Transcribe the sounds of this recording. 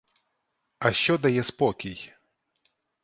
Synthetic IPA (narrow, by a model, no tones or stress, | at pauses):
aɕʲɔd̪ajɛspɔkʲij